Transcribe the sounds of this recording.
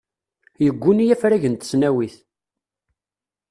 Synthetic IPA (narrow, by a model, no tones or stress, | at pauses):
jəɡʷːʊnijæfɾæʝənt̪ə̥snæwiθ